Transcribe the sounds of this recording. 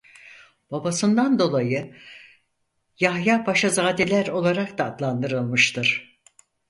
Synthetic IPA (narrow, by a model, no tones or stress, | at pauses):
b̥abasɯnd̪and̪o̞lˠajɯ | jahjaːbaʃazaːd̪elʲæɾo̞lˠaɾakd̪aːd̪lˠand̪ɯɾɯlˠmɯʃt̪ʰɯɾ̥